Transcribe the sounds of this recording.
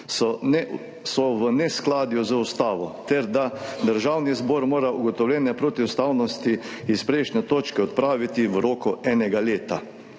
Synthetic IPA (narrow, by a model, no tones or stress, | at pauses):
sɔʋənɛsklaːd̪juzəust̪aːʋɔt̪ɛɾd̪ad̪əɾʒaːwnizboːɾmoːɾauɡɔt̪ɔwlʲjɛːnɛpɾoːt̪iust̪aːwnɔst̪i | ispɾɛɪʃnɛt̪oːt͡ʃkɛɔt̪̚pɾaːʋit̪iʋɾoːkɔʔɛːnɛɡaleːt̪a